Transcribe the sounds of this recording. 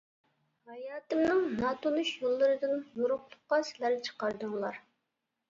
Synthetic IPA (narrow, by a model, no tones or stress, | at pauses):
hɑjɑːt̪ɨmnɨŋnɑt̪ʰonuʃjolˠːɨɾɨd̪ɨnjoɾʊχlˠʊχqːɑsɪlæɾt͡ʃʰə̥qɑɾd̪ɨŋlˠɑɾ